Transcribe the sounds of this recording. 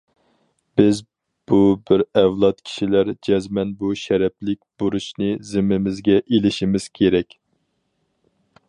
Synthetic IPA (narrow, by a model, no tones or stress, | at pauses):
b̥ɪz | b̥ubɪɾɛwlˠɑt̪̚kʲʰi̥ʃilæɾd͡ʒɛzmɛnbuʃɛɾɛplɪk̚ʲb̥uɾuʃnɨzɪmːɪmɪzɡʲɛʔelɪʃimɪz̥kʲʰeɾɛkʲ